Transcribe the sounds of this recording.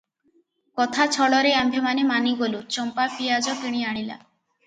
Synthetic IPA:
kɔt̪ʰat͡ʃʰɔɭɔɾeambʱemanemaniɡolut͡ɕɔmpapiad͡ʒɔkiɽ̃iaɽ̃ila̰

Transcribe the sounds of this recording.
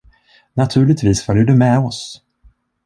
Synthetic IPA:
nat̪ʰʉ̟ːɭɪɡ̚t̪viːsfœljəɖɵmɛɔs

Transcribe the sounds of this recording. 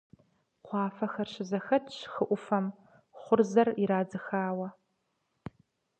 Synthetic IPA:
qʷɑːfɐxɐrɕɪzɐxɐtʼxɨʔʷʊfɐm | χʷʊrzɐriɾaːd͡zɨxaːwɐ

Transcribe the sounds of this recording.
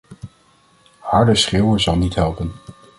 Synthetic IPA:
hɑɹdəsχɪːwəzɑlˠnitɦɛlˠpən

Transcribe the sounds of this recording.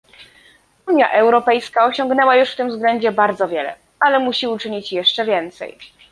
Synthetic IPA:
uɲja̰ʔɛwɾɔpɛjskaɔɕɔŋɡnɛwajuʂft̪ɘmvzɡlɛɲd͡ʑɛbaɾd̪zɔvʲjɛlɛ̰ | alɛmuɕiut͡ʂɘɲit͡ɕjɛʂt͡ʂɛvʲjɛnt̪sɛ̰j

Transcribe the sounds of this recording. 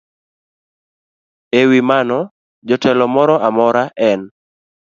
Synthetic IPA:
ewimanɔ | d͡ʒɔtɛlɔmɔɾɔʔamɔɾaʔɛn

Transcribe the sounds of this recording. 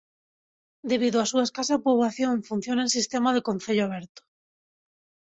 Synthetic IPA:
d̪eβ̞iðoasuaeskasapuβlaθjõɱfun̟θjonaens̬ist̪emað̞ekon̟θeʎoaβ̞eɾt̪o̥

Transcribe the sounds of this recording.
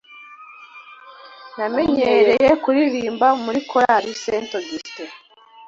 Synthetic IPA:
name̞ɲeɾe̞jekuɾiɾiːmbamuɾikʰoɾaɾisentoɡiste

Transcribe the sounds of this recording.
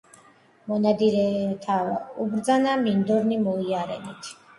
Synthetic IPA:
mɔnad̪iɾɛt̪ʰaubɾd̪zanamind̪ɔɾnimɔiaɾɛ̰nit̪ʰ

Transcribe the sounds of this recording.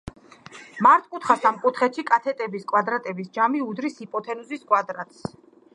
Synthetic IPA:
maɾt̪ʼkʼut̪ʰχasamkʼut̪ʰχɛt̪ʃikʼat̪ʰɛt̪ʼɛbiskʼwad̪ɾat̪ʼɛbisd͡ʒamiud̪ɾisipʼɔt̪ʰɛnuziskʼwad̪ɾat̪ʼs

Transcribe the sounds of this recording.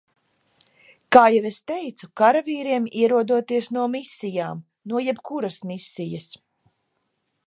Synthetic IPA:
kaːjɛvest̪ɛjt̪sukaɾaviːɾiɛmiɛɾuɔd̪uɔt̪iɛsnuɔmisːijaːm | nuɔjɛbkuɾɐsmisːijɐs

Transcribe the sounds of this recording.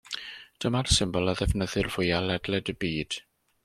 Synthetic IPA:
d̥əmarsɪmbɔlˠəðɛvnəðɨrvʊjalɛdlɛdəbiːd̥

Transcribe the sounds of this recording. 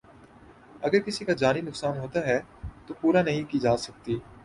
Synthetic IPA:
ɐɡəɾkɪsikad͡ʒaːninʊksaːnɦoːt̪aɦɛt̪opuːɾanɐɦĩkiːd͡ʒaːsɐk̚t̪iː

